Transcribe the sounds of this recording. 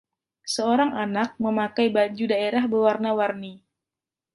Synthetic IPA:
səoɾaŋanak̚məmakajbaɲd͡ʒudaeɾahbəwarnawarni

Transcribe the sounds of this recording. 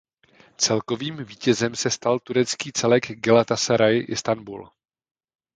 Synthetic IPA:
t͡sɛlko̞viːmviːcɛzɛmsɛst̪alt̪uɾɛt͡skiːt͡sɛlɛɡɡɛlat̪asɛɾajʔɪst̪anbṵl

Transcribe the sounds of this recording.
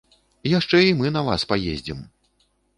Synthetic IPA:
jaʂt͡ʂɛimɨnɐva̰spajḛzʲd͡zʲim

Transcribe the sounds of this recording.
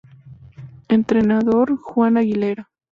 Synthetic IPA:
ent̪ɾenaðoɾxwanaɣileɾa

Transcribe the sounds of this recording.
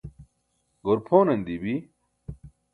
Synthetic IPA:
ɡoɾpʰoːnɐnd̪ibi

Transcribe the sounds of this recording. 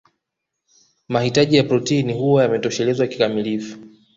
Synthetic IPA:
mahitaʄijapɾɔtiːnihuajamɛtɔʃɛlɛzwaki̥kamilifu̥

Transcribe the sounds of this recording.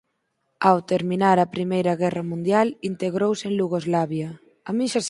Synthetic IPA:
awt̪eɾminaɾɐpɾimejɾɐɣɛrɐmũnd̪jalint̪eɣɾowseŋluɣ̞ozlaβjɐ | amĩnʃas

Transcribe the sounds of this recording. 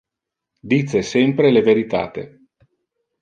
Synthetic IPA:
d̪it̪sesɛmpɾeleveɾit̪a̰ːt̪ḛ

